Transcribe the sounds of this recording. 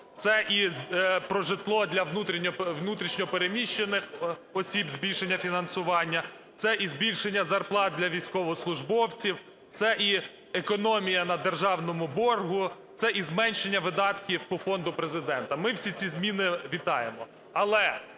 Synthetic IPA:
t̪sɛʔizpɾɔʒɪt̪lˠɔd̪ʲlʲɐwnut̪ɾʲinʲɔʋnut̪ɾʲiʃnʲɔpeɾemʲiʃt͡ʃːenɪxɔsʲibzʲbʲilʲʃe̞nʲːɐfʲinɐnsʊʋɑnʲːɐ | t̪sɛʔizbʲilʲʃe̞nʲːɐzɐrplˠɑt̪̚d̪ʲlʲɐʋʲijsʲkɔʋɔslˠʊʒbɔwt͡sʲiw | t̪sɛʔi | ekɔnɔmʲijɐnɐd̪erʒɑwnɔmʊbɔrɦʊt̪sɛʔizmɛnʲʃe̞nʲːɐʋɪd̪ɑt̪kʲiwpɔfɔnd̪ʊpɾezɪd̪ɛnt̪ɐmɪwsʲit͡sʲizmʲinɪʋʲit̪ɑjemɔ | ɐlˠɛ

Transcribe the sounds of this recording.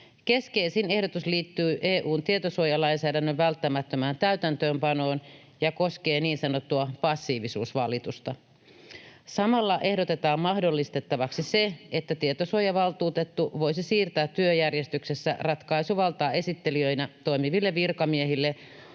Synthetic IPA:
ke̞skeisiːne̞hdot̪usliːt̪ːyːʔeːʔuːnt̪iet̪osuojɑlɑinsæːdænːøʋʋælt̪ːæmæt̪ːømæːnt̪æyt̪ænt̪øːmpɑno̞ːn | jɑkoske̞ːniːnsɑnot̪ːuɑpɑsːiːʋisuːsʋɑlit̪ust̪ɑ | sɑmɑlːɑʔe̞hdo̞t̪e̞t̪ɑːmmɑhdolːist̪e̞t̪ːɑʋɑksiseet̪ːæt̪iet̪osuojɑʋɑlt̪uːt̪et̪ːuʋo̞jsisiːrt̪æːt̪tyøjærjest̪yksesːæ̰rɑt̪kɑisuʋɑlt̪ɑːe̞sit̪ːeliøinæt̪o̞imiʋilːeʋirkɑmiehilːe

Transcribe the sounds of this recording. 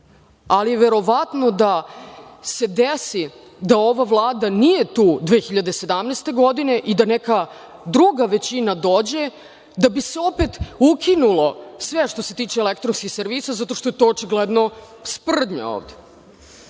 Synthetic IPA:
alije̞ʋeɾo̞ʋat̪no̞d̪a | se̞d̪esi | d̪ao̞ʋaʋlˠaːd̪anije̞t̪uːd̪ʋeːxiʎad̪ese̞d̪amneːst̪e̞ɡo̞d̪ine̞ʔid̪anɛka | d̪ɾuɡaʋe̞t͡ɕinad̪od͡ʑe̞ | d̪abiseo̞pet̪ukʰinulˠo̞sʋeʂt̪o̞se̞t̪iːt͡ʃeːlekt̪ɾonskixseɾʋisazat̪oʂt̪oet̪o̞ot͡ʃiɡled̪no̞ | spr̩d̪ɲa̰o̰ːʋd̪e̥

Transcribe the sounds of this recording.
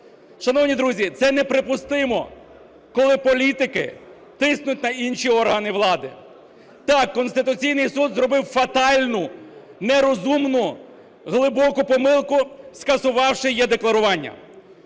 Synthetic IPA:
ʃɐnɔwnʲid̪ɾuzʲit̪sɛnɛpɾɪpʊst̪ɪmɔ̰ | kɔlˠɪpɔlʲit̪ɪkɪ̰ | t̪ɪsnʊt̚ʲnɐinʃiɔrɦɐnɪʋlˠɑd̪ɪ | t̪ɑkːɔnst̪ɪt̪ʊt͡sʲijnɪjsud̪zɾɔbɪwfɐt̪ɑlʲnʊnɛɾɔzumnʊ | ɦlˠɪbɔkʊpɔmɪlˠkʊskɐsʊʋɑwʃɪjɛd̪eklˠɐɾʊʋɑnʲːɐ̰

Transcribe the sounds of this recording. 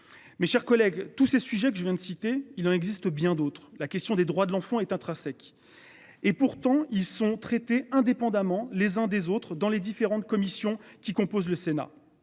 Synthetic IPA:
meʃɛʁkɔlɛɡt̪usesyʒɛk̬əʒəvjɛ̃d̪əsit̪eilɑ̃nɛɡzist̪əbjɛ̃d̪ot̪χlakʲɛst̪jɔ̃d̪ed̪ʁwad̪əlɑ̃fɑ̃ɛt̪ɛ̃t̪χasɛk | epuʁt̪ɑ̃ilsɔ̃t̪χet̪eɛ̃d̪epɑ̃d̪amɑ̃lezɛ̃d̪ezot̪χd̪ɑ̃led̪ifeʁɑ̃t̪̚kɔmisjɔ̃kʲikɔ̃pozləsena̰

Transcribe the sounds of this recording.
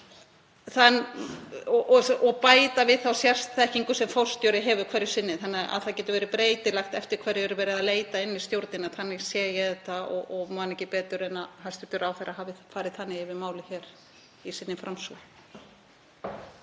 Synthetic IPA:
θanː | ɔʔɔɔɣpaːjt̪avɪðθawsjɛr̥st̪θɛhciŋkʏ̥sɛmfowr̥st̪jowɾɪɦɛːvʏkʰvɛɾːɪ̥sɪnːɪθanːɪa̰ðθaðcɛːt̪ʏɾvɛːɾɪpɾeːjt̪ɪlaxt̪ɛft̪ɪɾ̥kʰvɛɾɪɛɾʏvɛːɾɪðaleːjt̪aɪnːɪst̪jowɾt̪nɪnaθanːɪɣsjɛːjɛðɛt̪aɔ̰ɔɣmanːɛhcɪpɛːt̪ʏɾɛnaðhast̪ʏt̪ːɾaːwθɛɾaɦaːvɪfaːɾɪð̥θanːɪɣɪvɪðmaːwlɪçɛːɾ | isɪnːɪfɾamsu

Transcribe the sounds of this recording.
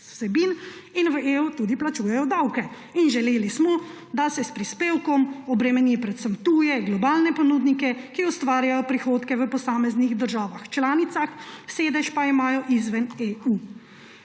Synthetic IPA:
sɛbininʋəʔeːut̪uːd̪iplat͡ʃuːjɛjɔd̪awkɛ | inʒɛleːlismɔ | d̪asɛspɾispeːwkɔmɔbɾɛmɛnipɾɛt̪səmt̪uːjɛɡlɔbaːlnɛpɔnuːd̪nikɛkiɔst̪ʋaːɾjajɔpɾixoːt̪kɛʋəpɔsaːmɛzniɣd̪əɾʒaːʋaxt͡ʃlaːnit̪saxseːd̪ɛʃpaimaːjɔʔizʋɛneu

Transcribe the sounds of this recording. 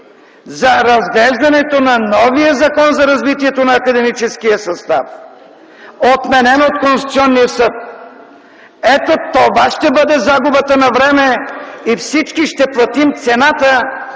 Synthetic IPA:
zɐɾɐzɡlɛʒd̪ɐnɛt̪onɐnɔvijəzɐkɔnzɐɾɐzvit̪iɛt̪onɐːkɐd̪ɛmit͡ʃɛskijəsɐst̪af | ot̪mɛnɛnot̪̚konsi̥t̪siɔnːiəsɤt̪̚ | ɛt̪ot̪ovaʃt̪ɛbəd̪ɛzaɡubət̪ənɐvɾɛmɛifsit͡ʃkiʃt̪ɛplˠɐt̪imt̪sɛnat̪ə

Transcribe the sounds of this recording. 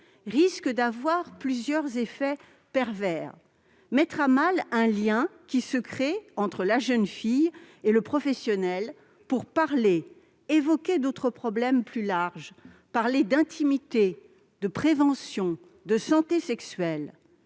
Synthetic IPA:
ʁiskəd̪avwaʁplyzjœʁzefɛ | pɛʁvɛʁ | mɛt̪χamalɛ̃ljɛ̃kʲisəkχeɑ̃t̪χəlaʒənfijeləpχɔfɛsjɔnɛl | puʁpaʁleː | vɔkʲed̪ot̪χəpχɔblɛmplylaʁʒ | paʁled̪ɛ̃t̪ʰimit̪e | d̪əpχevɑ̃sjɔ̃ | d̪əsɑ̃t̪esɛksɥɛl

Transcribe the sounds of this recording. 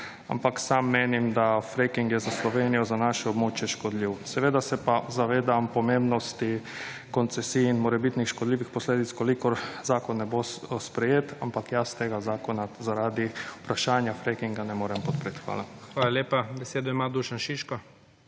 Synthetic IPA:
a̰mpaksamːeːnimd̪afɾekiŋkjɛzaslɔʋeːnijɔzanaʃɛɔbmoːt͡ʃjɛʃkɔd̪liwsɛʋeːd̪asɛpazaʋeːd̪ampɔmembnɔst̪i | kɔnt̪sɛsiːinmoːɾɛbit̪nixʃkɔd̪liːʋixpɔsleːd̪it̪skɔlikɔɾzaːkɔnːɛbospɾɛjeːt̪a̰mpakjast̪eːɡazaːkɔnazaɾaːd̪iu̥pɾaʃaːnjafɾekiŋɡanɛmoːɾɛmpɔt̪pɾeːt̪xʋa̰ːlaxʋaːlalʲjeːpabɛseːd̪ɔimaːd̪uːʃanʃiʃkɔ

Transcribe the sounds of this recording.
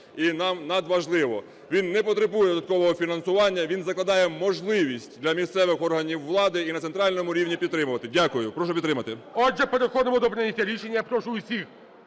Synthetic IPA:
inɑmnɐd̪ʋɐʒlˠɪʋɔ | ʋʲinːɛpɔt̪ɾebujɛd̪ɔd̪ɐt̪̚kɔʋɔɦɔfʲinɐnsʊʋɑnʲːɐʋʲinzɐklˠɐd̪ɑjɛmɔʒlˠɪʋʲisʲtʲd̪lʲɐmʲist̪sɛʋɪxɔrɦɐnʲiwːlˠɑd̪ɪinɐt̪sent̪ɾɑlʲnɔmʊɾʲiwnʲipʲid̪t̪ːɾɪmʊʋɐt̪ɪdʲakʊjʊpɾɔʃ̬ʊpʲid̪t̪ɾɪmɐt̪ɪɔɛpɐɾɐxɔd̪ɪmʊd̪ɔpɾʲɪnʲɪtʲjɐɾʲiʃenʲːjɐpɾoʂʊʊsʲix

